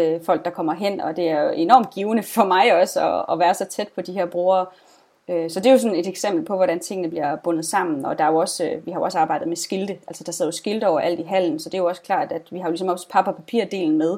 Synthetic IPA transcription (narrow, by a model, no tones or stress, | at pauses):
fɒ̽l̰ɡ̥̚d̥ɑ̈kʰɒ̽mɐɦen̰ɒ̽d̥e̝æɐe̝nɒ̰ːmd̥̚ɡ̥iːʊnəfɒ̽mɑ̈ɪɒ̽sɒ̰ːʋæːɐsɒ̽t͡sʰed̥̚pʰɒ̽d̥iheɐb̥ʁoːɐː | øsɒ̽d̥e̝jo̝sɒ̽ne̝d̥eɡ̥sem̰b̥l̩pʰɒ̽ʋɒɾænt͡sʰe̝ŋ̰ənəbliɐb̥ɔ̽nð̞̩ˠsɑ̈m̰n̩ɒ̽d̥ɑ̈æjo̝ɒ̽sʋihɑ̈joɒ̽səɑ̈ːb̥ɑ̈ɪ̰dð̩ˠmesɡ̥ild̥əʔæl̰sɒ̥d̥ɑ̈seð̰ˠɐjosɡ̥ild̥əɒʊ̰ɐʔæl̰d̥iɦæl̰n̩sɒ̽d̥e̝jo̝ɒ̽skʰl̥ɑ̰̈ːd̥æd̥ʋihɑ̈olisɒ̽mɒ̽spʰɑ̈b̥ɐpʰæpʰḭɐ̰d̥e̝̰ːln̩með̞ˠ